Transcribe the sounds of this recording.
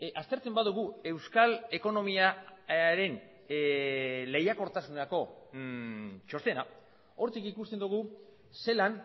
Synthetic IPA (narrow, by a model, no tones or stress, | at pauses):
ast̪e̞ɾt͡se̞mbaðuɣue̞wskale̞ko̞no̞miaɾe̞n | le̞jako̞ɾt̪asuneako̞ | t͡ʃo̞st̪e̞na | o̞ɾt̪ikikust̪e̞nd̪uɣ̞u | se̞lan